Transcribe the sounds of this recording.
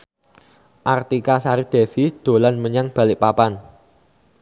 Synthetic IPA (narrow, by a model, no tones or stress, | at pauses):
ʔart̪ikasaɾid̪̥e̤fid̪̥o̤lanməɲaŋb̥a̤lɪʔpapan